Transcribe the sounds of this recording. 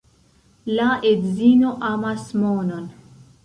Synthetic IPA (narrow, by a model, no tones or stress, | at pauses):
laʔed̪zinoʔamasmoːnon